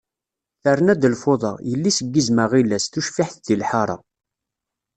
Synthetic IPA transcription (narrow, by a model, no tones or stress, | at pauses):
θərˤːənæd̪əlfoðˤɑ̰jəlːisəɡːizməʁilːæsθuʃfiħθðilħɑɾˤɑ̰